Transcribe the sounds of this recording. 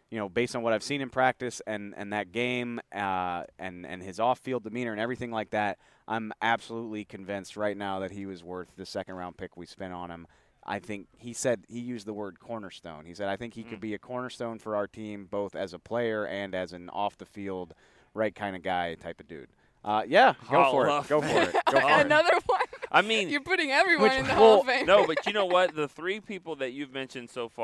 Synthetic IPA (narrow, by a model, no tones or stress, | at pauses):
jɨnoʊbeɪstn̩wʌɾaɪv̥sĩñɨ̃npʰɹ̥æk̚tɨsɨ̃nɨ̰̃nðɨt̚ɡ̥ẽɪ̃m | ɨ̃nɨ̰̃nɪzɔfilˠdɨmĩñə˞ɨ̃nɛvɹiθɪ̃ŋlaɪk̚ðæt̚ | ʔã̰ɪ̃mʔæb̥səlutˡlikʰɨ̃ɱvɪ̃nst̚ɹaɪtⁿnaʊðɨt̚ɦiwʌzwɜ˞θðɨsɛkɨ̃n̩dɹãʊ̃npʰɪkwi̥spɛ̃ɾ̃n̩ə̃m | ʔa̰ɪθɪ̃ŋkhisɛd̚hijʉzðəwɜ˞d̚kʰɔɹnə˞stõʊ̃nisɛɾaɪθɪ̃ŋkhikʰɨd̚biɨkʰɔɹnə˞stõʊ̃nfə˞aʊə˞tʰĩmboʊθɨzəpʰl̥eɪə˞ʔɨ̃nɨzɨ̃n̩ɔ̰fðɨfilˠd̚ | ɹaɪt̚kʰãɪ̃ndɨɡaɪtʰaɪpʌdʉ̰d̥̚ | ʔʌjæ̥oʊfə˞ɡ̥oʊfəɪtɡoʊɨnʌðə˞wʌ̃ʔaɪmĩnjə˞pʊɾɪ̃ŋɛvɹiwwʌ̃ñnðɨhɛfẽnoʊbʌt͡ʃɨnoʊwʌt̪̚ðɨθɹipʰipl̩ˠðɨt͡ʃʉvmɛ̃nʃɨ̃nd̥soʊfɑ